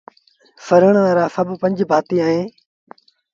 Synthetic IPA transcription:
fəɾəɳ̃ʋaːɾaːsəbpə̃ɲd͡ʒbʱaːt̪iːaːɦẽː

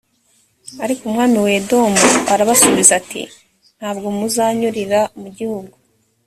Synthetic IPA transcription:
aɾikumŋaːmiwedo̞muaɾaβasoβizatḭ | n̥haːbɡo̞muzaːɲuɾiɾamuɟihuɡu

